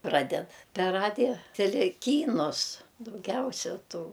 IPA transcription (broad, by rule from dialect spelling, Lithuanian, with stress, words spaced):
ˈprɑːdʲɛt pʲɛr ˈrɑːdʲɪjɛ tʲɛˈlʲɛ ˈkʲiːnʊs dɐʊˈɡʲɛʊsʲɛ ˈtuː